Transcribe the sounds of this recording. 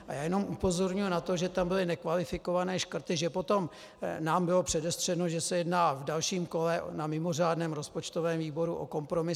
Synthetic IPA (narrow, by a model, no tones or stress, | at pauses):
ʔajaːjɛnomʔupo̞zo̞ɾɲujunat̪o̞ʒɛt̪ambɪlɪnɛkvalɪfɪko̞vanɛːʃkr̩t̪ɪʒɛpo̞t̪o̞m | naːmbɪlo̞pr̥ɛdɛst̪r̥ɛnoʒɛsɛjɛdnaːvdalʃiːmko̞lɛnamɪmo̞r̝aːdnɛːmɾo̞spo̞t͡ʃt̪ovɛːmviːbo̞ɾuʔo̰ko̞mpɾo̞mɪ